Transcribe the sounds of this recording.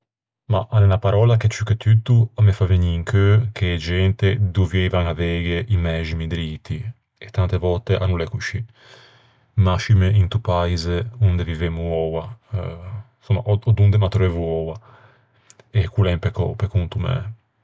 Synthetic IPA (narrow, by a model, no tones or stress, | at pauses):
maʔanɛnapaɾɔlaket͡ʃyket̪yt̪uamɛfaveɲiːŋkʰøkʰeːd͡ʒɛnt̪ed̪uvjɛjvaŋavɛɡeʔimɛʒimid̪ɾit̪i | ɛt̪ːant̪evɔt̪eʔanulɛkuʃi | maʃimeʔint̪upaizeund̪evivemuɔwa̰ | sumːa̰ʔɔɔd̪und̪ɛmat̪ɾɛvuɔwa | ɛkulɛmpekɔ̰pekunt̪umɛ̰